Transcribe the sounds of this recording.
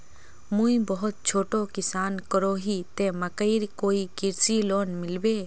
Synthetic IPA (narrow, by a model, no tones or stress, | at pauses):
mũĩbəɦʊt̪̚t͡ʃʰoːʈõkɪsaːnkəɾoːɦit̪ẽmɐkəiɾkoːikɪɾsiloːnmɪlbeː